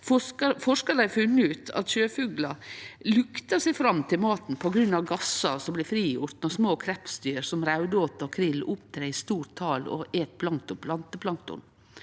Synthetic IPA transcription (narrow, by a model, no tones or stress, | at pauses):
fɔkəfɔʂkəd̪æɪfʉnːəʉːt̪ʰɑ̰t̪ʃøːfʉːɡlɑlʉkt̪ɑsæɪfɾɑmːt̪ʰɪlmɑːt̪n̩pʰɔɡɾʉnɑʋɡɑsɑsɔmblɛfɾiːjʊɾt̪nɔsmoːkʰɾɛpsd̪yːɾsɔmɾaʉd̪əoːt̪əɔkʰɾɪlːʔʊpt̪ʰɾeːɪst̪uːɾʈt̪ʰɑːlɔ̰ʔeːt̪̚bʰlɑŋt̪ʊpʰlɑnt̪əpʰlɑŋt̪ʊ̰n